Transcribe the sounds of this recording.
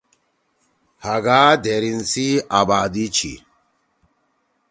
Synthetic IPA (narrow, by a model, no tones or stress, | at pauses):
haɡaːd̪eɾinsiaːbaːd̪it͡ɕʰḭ